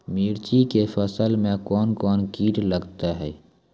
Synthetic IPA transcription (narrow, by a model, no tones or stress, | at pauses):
miːɾt͡ʃikefəsəlmẽkɔːnkɔːnkiːʈləɡt̪aɦɛː